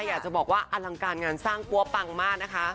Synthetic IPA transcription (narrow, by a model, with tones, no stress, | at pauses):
jaː˨˩k̚t͡ɕa˨˩bɔː˨˩k̚waː˥˩ʔa˧la˧ŋkaː˧nŋaː˧nsaː˥˩ŋku˧˥˩ɐpa˧ŋmaː˥˩k̚na˦˥kʰa˦˥